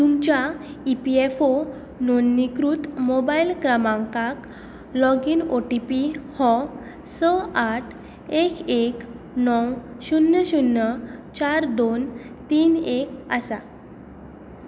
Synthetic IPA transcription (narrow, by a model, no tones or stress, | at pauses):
t̪umt͡ɕaipiefo | nonːikɾut̪mobailkɾamãŋkak | lɔɡinoʈipihɔ | səaʈʰ | ekek | nɔwɕunːəɕunːət͡ɕaɾd̪ont̪iːnekəsa